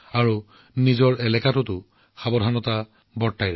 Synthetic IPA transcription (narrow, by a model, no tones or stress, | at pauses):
aɹu | nizɔɹɛlɛkatʊtʊ | xabɔdʱanɔta | bɔɹtːajɹa